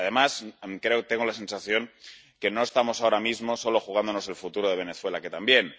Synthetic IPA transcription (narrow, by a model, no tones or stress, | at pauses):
aðe̞maskɾe̞ot̪e̞ŋɡolase̞nsaθjo̞ŋ | ke̞no̞e̞st̪amo̞sao̞ɾamizmo̞so̞lo̞xuɣ̞and̪ono̞se̞lfut̪uɾoðeβe̞ne̞θwe̞lake̞t̪ambje̞n